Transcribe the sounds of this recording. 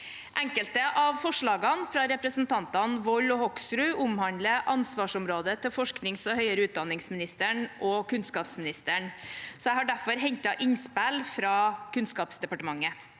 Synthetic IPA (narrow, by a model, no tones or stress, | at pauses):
ʔɛŋkəlt̪əʔɑʋfɔʂɭɑːɡɑnfɾɑɾɛpɾəsənt̪ʰɑnt̪ɑnʋɔlɔhɔksɾʉːʔʊmhɑnd̪ləʔɑnsʋɑːʂɔmɾoːd̪ət̪ʰɪlfɔʂknɪŋsɔhœʏəɾəʉːt̪̚d̪ɑnɪŋsmɪnɪst̪əɳʔɔkʉnskɑːpsmɪnɪst̪əɳsɔjæɪhɑɖæfɔɾɦɛɲt̪ɑʔɪɲspælfɾɑːkʰʉnskɑːpsd̪ɛpɑʈəmɑŋːə